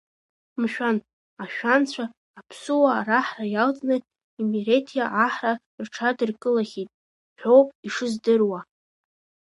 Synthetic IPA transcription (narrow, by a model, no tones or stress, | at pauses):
mʃᶣan | aʃᶣant͡ɕʷʰaː | pʰsuwaːraħrajalt͡sʼnatʼ | imiɾetʰijaʔaħra | rʈ͡ʂʰadɨrkʼɨlaχʲitʼ | ħʷᶣowpʼiʂɨzdɨrwa